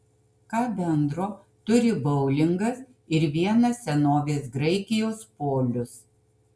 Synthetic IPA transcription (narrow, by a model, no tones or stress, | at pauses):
kɑːbʲɛnd̪ɾoː | t̪ʊɾʲɪbɐʊlʲɪŋɡɐs | ɪɾʋʲiɛnɐsʲsʲɛnoːʋʲeːs̬ɡɾɐɪkʲɪjoːspoːlʲʊs